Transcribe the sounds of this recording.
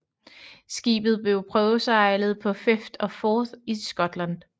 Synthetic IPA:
sɡ̥ḭːb̥ð̩ˠb̥e̝ʊpʰʁœːʊsɑ̈ɪlð̞̩ˠpʰɒ̽fefd̥ɒ̽fɒːðisɡ̥ɒ̽d̥lænd̥

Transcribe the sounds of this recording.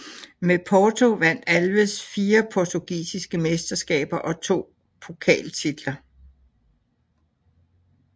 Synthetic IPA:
mepʰɒːt͡sʰo̝ʋæn̰d̥ælʋəsfiːɐpʰɒt͡sʰuɡ̥ḭːsisɡ̥əmesd̥ɐsɡ̥ɛ̰ːb̥ɐʔɒ̽t͡sʰo̝̰ː | pʰo̝kʰɛ̰ːlt͡sʰid̥lɐ

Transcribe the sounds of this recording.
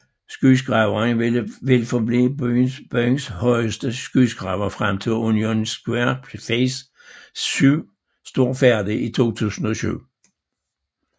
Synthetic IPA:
sɡ̥ys̬ɡ̥ʁɑ̈ʊɐnʋe̝lfɒb̥libynb̥øŋshɒ̽ɪ̰əsd̥əsɡ̥ysɡ̥ʁɑ̈ʊɐfʁam̰t͡sʰo̝lːunio̝nsɡ̥weɐfes | yʊ̰ | sd̥o̝ɐ̰fæɐ̰d̥iit͡sʰo̝̰ːt͡sʰṵːsn̩ɒ̽ɕy̰ʊ̰

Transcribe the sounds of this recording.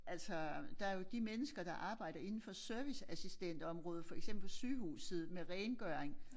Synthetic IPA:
æl̰sɒd̥ɑ̈æɐjo̝d̥imenəsɡ̥ɐd̥ɑ̈ʔɑ̈ːb̥ɑ̈ɪ̰ɾ̥ɐe̝nn̩fɒ̽søɐʋisæsisd̥en̰d̥ɒ̽mʁɔ̽ːð̩ˠfɒ̽eɡ̥semb̥l̩syːɦṵːsð̩ˠmeʁɛːnɡ̥œɐeŋ

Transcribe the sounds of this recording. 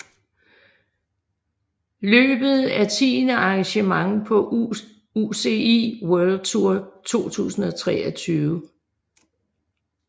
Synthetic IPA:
lø̰ːb̥ð̞̩ˠæt͡sʰḭːnəɑ̈ŋɕəmɑ̈ŋpʰɒ̽ | use̝iwœɐld̥̚t͡sʰuɐ̰t͡sʰo̝̰ːt͡sʰṵːsn̩ɒ̽t͡sʰʁɛ̰ːɒt͡sʰyːʊə

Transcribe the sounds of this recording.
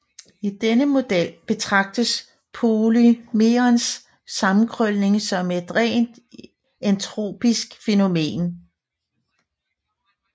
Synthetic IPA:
id̥enəmo̝d̥el̰b̥e̝t͡sʰʁɑ̈ɡ̥̚d̥əs | pʰo̝lymeɐnsː | ɑ̈mn̩kʰʁœlne̝ŋsɒ̽me̝d̥ʁɛ̰ːnd̥ | ent͡sʰʁo̝̰ːb̥isɡ̥fe̝no̝me̝̰ːn

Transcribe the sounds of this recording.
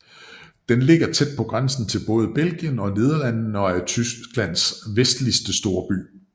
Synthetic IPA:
d̥enle̝ɡ̥ɐt͡sʰed̥̚pʰɒ̽ɡ̥ʁansn̩t͡sʰe̝lb̥ɔ̽ːð̞ˠəb̥el̰ɡ̥jənɒ̽ne̝ð̞ˠɐlæn̰n̩ɒ̽æɐt͡sʰysɡɡ̥læn̰sʋesd̥lisd̥əsd̥o̝ːɐb̥y̰ː

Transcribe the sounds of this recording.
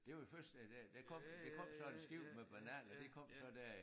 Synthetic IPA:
d̥e̝ʋɑfɶɐsd̥d̥æd̥ækʰɒ̽m̰d̥ekʰɒ̽m̰sɒ̽ensɡ̥iʊ̰meb̥ænæːnɒd̥e̝kʰɒ̽m̰sɒ̽d̥æɐ̰

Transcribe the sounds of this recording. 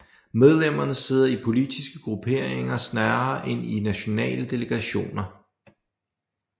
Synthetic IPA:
með̞ˠlem̰ɐnəse̝ð̞̰ˠɐipʰo̝lid̥isɡ̥əɡ̥ʁupʰe̝ːɐ̰eŋɐsnæːɐʔe̝ninæɕo̝nɛ̰ːləd̥e̝ləɡ̥æɕo̝̰ːnɐ

